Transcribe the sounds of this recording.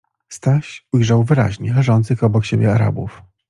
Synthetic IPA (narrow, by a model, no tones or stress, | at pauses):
st̪aɕujʐawvɘɾa̰ʑɲɛlɛʐɔnt̪sɘxɔbɔkɕebʲjɛaɾa̰buf